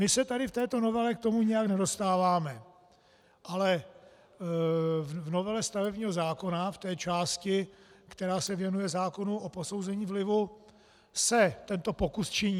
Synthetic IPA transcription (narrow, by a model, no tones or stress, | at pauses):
mɪsɛt̪adɪft̪ɛːt̪o̞no̞vɛlɛk̚t̪omuɲɛjaknɛdo̞st̪aːvaːmɛ | ʔalɛ | vvno̞vɛlɛst̪avɛbɲiːɦo̞zaːko̞naft̪ɛːt͡ʃaːscɪkt̪ɛɾaːsɛvjɛnujɛzaːko̞nuʔopo̞so̞wzɛɲiːvlɪvu | sɛt̪ɛnt̪o̞po̞kust͡ʃɪɲiː